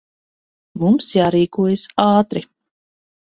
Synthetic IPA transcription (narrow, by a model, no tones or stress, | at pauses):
mumsjaːɾiːkuɔjasaːt̪ɾi